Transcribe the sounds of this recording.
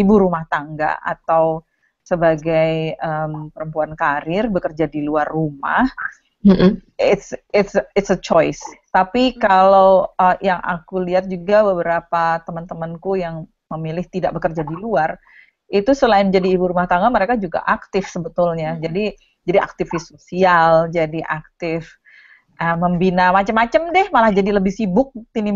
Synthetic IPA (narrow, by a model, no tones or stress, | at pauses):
ibuɾumaht̪aŋɡa̰ʔa̰t̪aw | səbaɡajəmpəɾəmpuankaɾɪrbəkərd͡ʒadiluarːuma̰h̩ | ɪt̪sɪt̪sɪt̪sət͡ʃɔɪst̪apikalawəjaŋʔa̰kuliat̪̚d͡ʒuɡabəbəɾapat̪əmənt̪əmənkujaŋ | məmilɪht̪idaʔ̚bəkərd͡ʒadiluar | it̪usəlaɪnd͡ʒadiːbuɾumaht̪aŋanməɾekad͡ʒuɡa̰ʔak̚t̪ɪfsəbət̪ʊlɲad͡ʒadi | d͡ʒadiʔa̰k̚t̪ifɪsosiald͡ʒadiʔak̚t̪ɪf | ʔəməmbinamat͡ʃəmːat͡ʃəmdɛhmalahd͡ʒadiləbɪhsibʊk̚t̪ini